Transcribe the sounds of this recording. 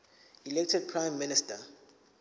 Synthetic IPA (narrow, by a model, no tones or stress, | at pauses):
ilɛk̚tʰɛd̚pʰɹãjmːinistʰa